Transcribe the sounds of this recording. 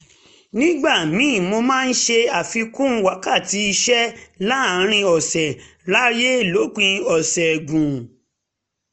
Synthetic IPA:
nĩ˦ɡ͡ba˦˨mĩ˨˦˨mo˧mãː˦˧n̩˦ʃe˧a˨fi˧kũ˦wa˨˦ka˦˨ti˨˦i˧ʃɛ˦la˦˨˦ɾ̃ĩ˧ɔ˨sɛ˨ | la˦je˦˨lo˨˦k͡pĩ˧ɔ˨sɛ˨ɡũ˨

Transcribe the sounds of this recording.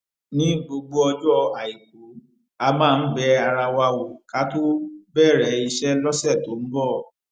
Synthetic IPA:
nĩ˨˦ɡ͡bo˧ɡ͡bo˦ɔ˧d͡ʒɔ˦a˨i˨k͡p̚u˨˦ | a˧mãː˦˧n̩˦bɛ˧˦a˧ɾa˧wa˧wo˨ka˦to˦bɛ˦˨ɾɛ˨˦i˧ʃɛ˦lɔ˦sɛ˦˨to˨˦n̩˦bɔ˦˨

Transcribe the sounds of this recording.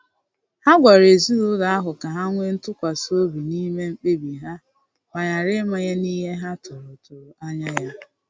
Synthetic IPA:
ha˦ɡʷa˨ɾe˨zu˦ɾu˦da˨a˦ɦʊ˨ka˨ɦa˦ŋʷe˦n̩˦tʊ˦kʷa˨so˦bi˨ni˦me˦ŋ͡m̩˨k͡pe˦bi˨ɦa˦ | ma˨ɲa˨ɾɪ˦ma˦ɲe˦ni˦ɦe˦ɦa˦tʊ˨ɾʊ˨tʊ˨ɾa˦ɲa˦ja˦

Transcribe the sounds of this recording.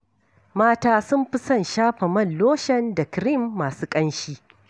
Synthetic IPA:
maː˦taː˦sʊ˦mɸɪ˦sɐ˦˨nʃaː˦ɸɐ˨mɐ˦˨nloː˦ʃɐ˦nda˨kɾɪ˦mːaː˨suː˦kʼɐ˦nʃiː˦

